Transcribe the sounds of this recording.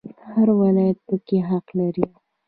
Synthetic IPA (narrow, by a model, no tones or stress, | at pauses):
haɾwalɑjat̪̚pəkeɦaqlaɾi